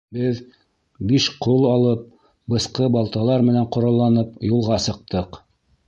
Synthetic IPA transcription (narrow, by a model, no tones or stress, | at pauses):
bɘð | biʃqolˠɑlˠɤp̚ | bɤ̆sqɤbɑlˠt̪ɑlˠɑɾmɘ̆næɴqŏɾɑlˠːɑnɤpjulˠʁɑsɤ̆q̚t̪ɤq